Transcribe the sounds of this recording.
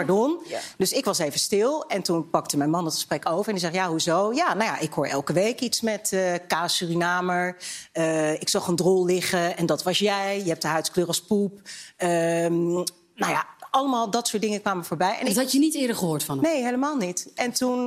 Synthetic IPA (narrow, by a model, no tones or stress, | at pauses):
paɹdɔndøsɪkʋɑsejvənstɪlˠɛntunpɑk̚təmɛjnmɑndəɑtχə̥sprɛkowvəɹɛnɪkzɛχjaːɦuzowjaːnawja̰ʔɪkɦoːɹʔɛ̰lˠkəʋejkitsmɛtəkaːsyrinaːməɹəɪksɑχəndrɔlˠlɪχəɛndɑtʋɑsjɛjjəɦɛp̚dəɦœɥtkløːrɑspupə | nawjaɑləmaːlˠdɑtsʊːɹtdɪŋəkʋaːməɹv̥oːɹbɛjɛ̰ntɑənitɪːdəɹχəɦoːtfɑnnejɦejləmaːlˠnitɛntun